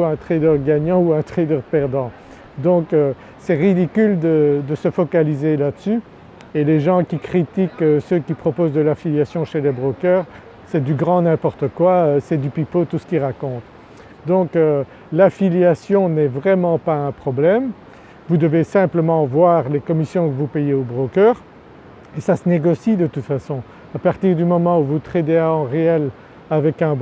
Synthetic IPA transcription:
ɛ̃t̪χed̪œʁɡaɲɑ̃uɛ̃t̪χed̪œʁpɛʁd̪ɑ̃ | d̪ɔ̃kø | sɛʁid̪ikʲyld̪əd̪əsəfɔkalizelad̪əsy | eleʒɑ̃kʲikχit̪ikøsøkʲipχɔpozd̪əlafiljasjɔ̃ʃelɛbʁokœːʁ | sɛd̪yɡʁɑ̃nɛ̃pɔʁt̪əkwaøsɛd̪ypipot̪usə̥kʲiʁakɔ̃t̪ | d̪ɔ̃kø | lafiljasjɔ̃nɛvʁɛmɑ̃paɛ̃pχɔblɛm | vud̪əvesɛ̃pləmɑ̃vwaːʁlekɔmisjɔ̃kəvupejeobʁokœːʁ | esasəneɡɔsid̪ət̪ut̪fasɔ̃ | apaʁt̪iʁd̪ymɔmɑ̃uvut̪χed̪eaɑ̃ʁeɛl | avɛkɛ̃b

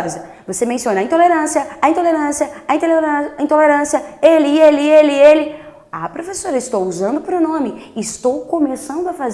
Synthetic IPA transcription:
zɐ | vosemẽsiõnɐĩt̪oleɾɐ̃siɐɐĩnt̪oleɾɐ̃sjɐɐĩt̪oleɾɐ̃ĩt̪oleɾɐ̃siɐelɪelɪelɪelɪ | apɾofesoɾɐɪst̪owuzɐ̃nd̪ʊpɾonõmɪɪɪst̪owkomesɐ̃nd̪ʊɐfaz

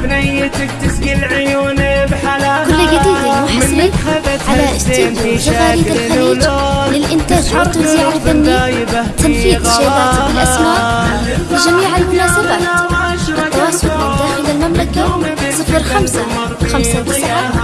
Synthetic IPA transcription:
t̪ː | kʊlːɡad̪iːd̪almʊħsliʕalaʔɪsiːfaɣaːɾiːd̪ɪlxaliːd͡ʒ | lɪlʔɪnt̪aːʒwʊɾt̪aziːʕalb̪ɪnːi | t̪anfiːðʃaːdaːt̪bɪlʔasmaːʔ | ʒamiːʕalmʊnaːsabaːt̪ | ʔɪt̪ːawɑːsˤʊqɪd̪aːxɪlalmamlaka | sɪfɾxamsa | xamsabɪsaʕa

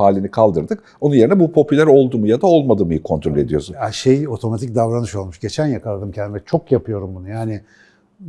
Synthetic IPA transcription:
aːlʲinikʰalˠd̪ɯɾd̪ɯk | onunje̞ɾinɛbupʰo̞pylʲæɾo̞lˠd̪uːmujad̪ao̞lˠmad̪ɯːmɯjɯkʰo̞nt̪ʰɾo̞lʲe̞d̪ijo̞suaʃejo̞t̪ʰo̞mat̪ʰicd̪avɾanɯʃo̞lˠmuʃɟe̞t͡ʃʰænjakʰalˠad̪ɯmcʰɛnvɛt͡ʃʰo̞kjapʰɯjo̞ɾumbunujaːnɪ

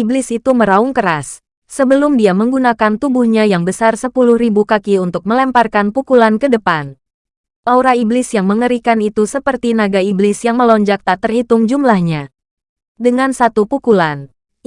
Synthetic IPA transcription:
iblɪsit̪uməɾauŋkəɾasː | əbəlʊmdiaməŋɡunakant̪ubuhɲajaŋbəsarsəpulʊhɾibukakiunt̪ʊk̚məlɛmparkanpukulankədəpan | lauɾaiblɪsjaŋməŋəɾikanit̪usəpərt̪inaɡaiblɪsjaŋməlɔɲd͡ʒak̚t̪at̪ərhit̪ʊŋd͡ʒumlahɲa | dəŋansat̪upukulan

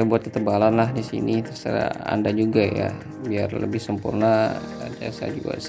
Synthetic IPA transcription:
abuat̪̚kət̪əbalanlahdisḭnit̪ərsəɾa̰a̰ndad͡ʒuɡaja̰ | biarlə̰bɪhsəmpṵrna | diasa̰d͡ʒṵa̰s

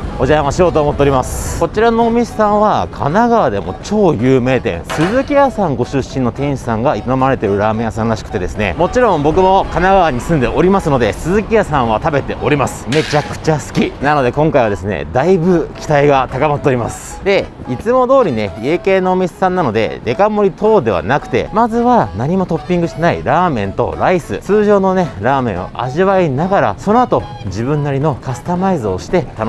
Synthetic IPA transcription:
o̞ʑaãaɕijo̞ːt̪oːmot̪ːoɾʲimasɨ̥ko̞t͡ɕiɾano̞ːmʲiɕe̥sãɰ̃βakʰa̰naɡaβad̪e̞mo̞̰t͡ɕo̞ːjɯːme̞ːt̪ẽ̞̰ɰ̃sɨzɨkʲiasãŋɡo̞ɕɨɕːĩnːo̞t̪ẽ̞ɰ̃ɕi̥sãŋɡait̪ono̞maɾet̪e̞ɾɯ̟ɾaːmẽjasãñɾaɕi̥kɯ̟̥t̪e̞d̪e̞sɨne̞̰mo̞t͡ɕiɾõ̞mbo̞k̬ɯ̟mo̞kanaɡaβaɲ̟isɨ̃nd̪e̞ʔo̞ɾʲimasɨno̞d̪e̞sɨzɨkʲiasãɰ̃βat̪abe̞t̪e̞ʔo̞ɾʲimasɨ̥me̞t͡ɕakɯ̟̥t͡ɕasɨ̥kʲinano̞d̪e̞kõ̞ŋkaiβad̪e̞sɨnḛd̪aibɯ̟kʲi̥t̪aiɡat̪akamat̪ːoːɾima̰sɨ̥d̪e̞ | it͡sɨmo̞d̪o̞ːɾʲine̞ieke̞ːnoːmʲise̥sãnːano̞d̪e̞̰d̪e̞kamo̞ɾʲit̪o̞ːd̪e̞βa̰nakɯ̟̥t̪e̞̰mazɨβanaɲ̟imo̞t̪o̞pʲːĩŋɡɯ̟ɕi̥t̪enaḭɾaːmẽ̞̰nt̪o̞̰ɾaisɨ̰t͡sɨːʑo̞ːno̞ne̞ɾaːmẽ̞ɰ̃o̰ʔa̰ʑiβainaɡaɾa̰so̞no̞at̪o̞ | d͡ʑibɯ̟̃nːaɾʲino̞kasɨ̥t̪amaizɨo̞ɕi̥t̪e̞t̪an

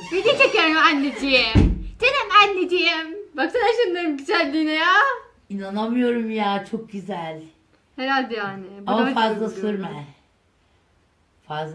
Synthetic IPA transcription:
bid̪it͡ʃʰekjoɾumanːed͡ʒijemd̪̥enimænːed͡ʒijembakt̪ʰad̪aʃɯnˠaɾɯmɟit͡ʃʰæɾd̪iːnɛjaː | inanamɯjo̞ɾumjaːt͡ʃʰok̚ɟyzælʲ | heɾalʲd̪ɛjaːnɪbamafazlˠasɯɾmɛ | fazlˠ

